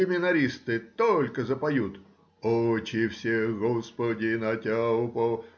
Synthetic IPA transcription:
ɪmʲɪnɐɾʲist̪ɨt̪olʲkəzəpɐjut̪ | ot͡ɕɪfsʲeɡɔspədʲɪnɐtʲapo

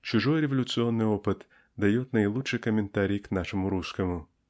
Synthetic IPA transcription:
t͡ʃʊʒɔjɾeʋɐlʲʊt̪sɨɔnːɪɔpɨt̪ | d̪ɐjɔt̪ʲnɐjlˠuʃɪkɔmʲent̪aɾʲijknaʃɔmʊɾuskɔmʊ

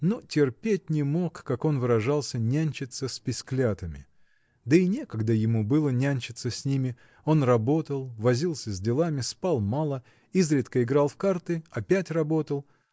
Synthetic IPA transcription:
notʲɪrpʲet̚ʲnʲɪmokːako̞nvɨɾɐʐɑlˠsʲənʲænʲt͡ɕɪt̪səsʲpʲɪsʲklʲat̪əmʲɪ̰ | d̪əɪnʲe̞kəɡd̪əjɪmubɨlˠənʲanʲt͡ɕɪt̪səsʲnʲimʲɪ | o̞nrɐbo̞t̪əlˠvɐzʲilˠsʲəzʲdʲɪlˠamʲɪspɑlˠmalˠə | izɾʲɪt̪kəɪɡɾɑlˠfkart̪ɨɐpʲætʲrɐbo̞t̪əlˠ

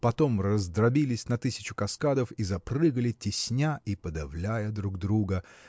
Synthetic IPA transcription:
pɐt̪o̞mrəzd̪ɾɐbʲilʲɪsʲnɐt̪ɨsʲɪ̥t͡ɕʊ̥kɐskad̪əfizɐprɨɡəlʲɪtʲɪsʲnʲaʔipəd̪ɐvlʲæjəd̪ɾuɡd̪ɾuɡə

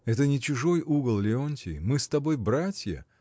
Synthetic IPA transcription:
ɛt̪ənʲɪt͡ɕʊʐo̞juɡəlˠlʲɪonʲtʲɪ̰mɨst̪ɐbo̞jbɾatʲjə̰

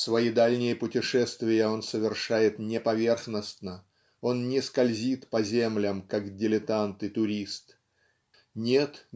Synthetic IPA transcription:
svɐjid̪alʲnʲɪjəpʊtʲɪʂɛst̪vʲɪjəo̞nsəvʲɪrʂajɪt̪nʲɪpɐvʲe̞rxnəsnə | o̞nnʲɪskɐlʲzʲit̪pɐzʲemlʲəmkakdʲɪlʲɪt̪ant̪ɨt̪ʊɾʲist̪ | nʲe̞t̪

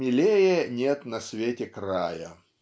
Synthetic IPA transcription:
ɪlʲejənʲet̪nɐsʲvʲetʲɪkɾajə̰

